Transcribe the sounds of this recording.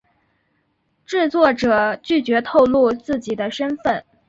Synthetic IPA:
ʈ͡ʂɻ̩˥˧t͡swɔ˥˩ʈ͡ʂɤ˨˩t͡ɕy˥˩t͡ɕɥɛ˧˥t̪ʰo˥˧ʊlu˥˧t͡sɹ̩˥˩t͡ɕi˨˩d̪ə˦ʂə˥nfə˥˩n

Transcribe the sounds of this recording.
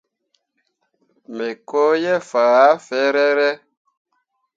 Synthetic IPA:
me˨ko˦jɛ˦fa˨ɾa˦fɛ˦ɾɛ˦ɾɛ˦

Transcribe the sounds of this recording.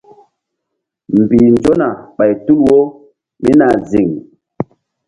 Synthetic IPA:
m˨bi˨nd͡ʒo˦na˨ɓa˨jtu˦lwo˦ | mi˦na˨zi˨ŋ

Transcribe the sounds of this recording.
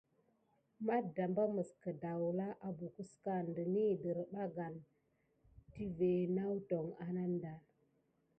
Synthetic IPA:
ma˦da˨mba˦mə˨skə˨da˨wu˨la˦ʔa˨bu˨ku˦ska˦˨ndə˨ni˦˨də˨ɾɓa˦ɡa˨n | ti˦ve˨na˦wto˨ŋa˨na˦nda˨l

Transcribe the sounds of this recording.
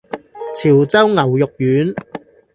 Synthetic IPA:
t͡sʰiː˨˩wt͡sɐ˥wŋɐ˨˩wjʊ˨k̚jyː˨˥n

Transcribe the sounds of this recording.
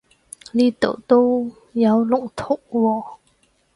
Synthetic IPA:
liː˥t̪o̰˨˩wt̪o˥w | jɐ˨˧˥wlʊ˨ŋt̪ʰo˨˩ʔ̚wɔː˧˩

